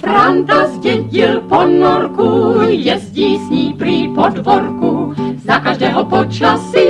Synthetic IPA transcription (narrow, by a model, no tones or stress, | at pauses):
fɾant̪azcɛɟɪlponoɾkujɛzɟiːsɲiːpriːpodvoɾkuzakaʒdɛːɦopot͡ʃasɪ